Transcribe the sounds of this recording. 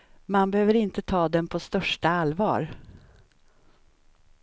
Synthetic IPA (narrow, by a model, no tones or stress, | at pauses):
manbɛhøːvəɾɪnt̪ət̪ʰɑːd̪ɛnpʰɔst̪œʂʈaalvɑ̰ːɾ